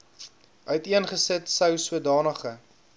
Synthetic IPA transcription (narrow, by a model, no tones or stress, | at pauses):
ʔœɥtiənχəsətsəwsuədɑːnəχə